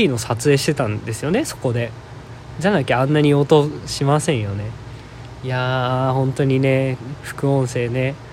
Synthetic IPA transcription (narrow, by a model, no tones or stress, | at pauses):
inosat͡sɨe̞ːɕi̥t̪e̞t̪ãnd̪e̞sɨjo̞ne̞so̞̥ko̞d̪e̞ | d͡ʑanakʲiãnːaɲ̟iot̪oɕimasẽ̞ɰ̃jo̞ne̞ | jahõ̞nt̪o̞ɲ̟ine̞ɸɯ̟̥kɯ̟õ̞ɰ̃se̞ːne̞